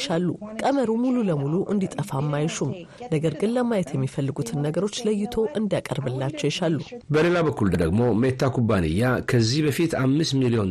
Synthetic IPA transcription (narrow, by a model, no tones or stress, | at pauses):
ʃalːukʼəməɾumululəmuluʔɨnd̪it̪ʼəfamːajʃumnəɡəɾɡɨnləmajɛt̪jɛmːifəlːɨɡut̪ʰɨnːəɡəɾo̞t͡ʃːləjːɪt̪ʰo̞ʔɨnd̪jakʼə̰ɾbɨlːat͡ʃːɛwjɛʃalːubəle̞laβəkːuld̪əd̪əɡmo̞met̪ːakʰubanɨ̰jːakʰəzːihbəfit̪amːɨst̪milio̞n